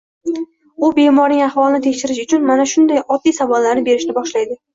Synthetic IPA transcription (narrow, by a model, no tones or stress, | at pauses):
ʊbe̞mɒɾnɪŋaχvɒlˠɪnɪt̪ʰe̞kʲʃɪɾɪʃʊt͡ʃʰʊnmanaʃʊnd̪ajʔɒd̪ːijsavɒlːaɾnɪbe̞ɾɪʃnɪbɒʃlajd̪ɪ